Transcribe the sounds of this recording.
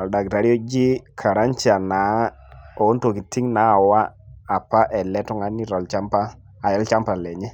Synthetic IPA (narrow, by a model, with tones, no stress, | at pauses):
ɔ˨lda˨kɾa˦ɾi˦o˦d͡ʒi˦kʰa˨ɾa˦nt͡ʃa˨na˨˦ | o˨˦nto˨ki˨ti˦ŋna˨˦˨waː˦˨pa˦ʔɛ˨lɛ˦tɔ˦ŋa˦ni˦ɾɔ˨lt͡ʃa˦mpaː˦˨ | jɛ˦lt͡ʃa˦mpa˨lɛ˨ɲɛ˦